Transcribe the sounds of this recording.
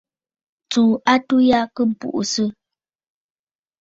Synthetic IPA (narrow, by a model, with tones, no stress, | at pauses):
t͡suː˨ʔa˦tu˦ja˦kə˦˨pṵ˨ʔu˨sɨ˦